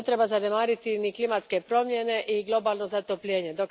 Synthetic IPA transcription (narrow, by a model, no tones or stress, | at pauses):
t̪ɾe̞bazane̞maːɾit̪iniklimat̪ske̞pɾo̞mje̞ne̞ʔiɡlˠo̞baːlˠno̞zat̪opʎʲeːɲed̪ok